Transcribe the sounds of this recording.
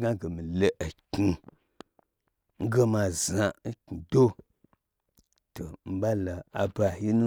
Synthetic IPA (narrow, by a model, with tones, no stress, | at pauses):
ɡa˦ɡe˨mi˨le˦ʔa˨ki˨˧ | ŋ̩˦ɡe˦ma˧˨za˨˦ki˨do˦ | to˨m̩˦ba˦la˨a˨ba˨ji˦nu˦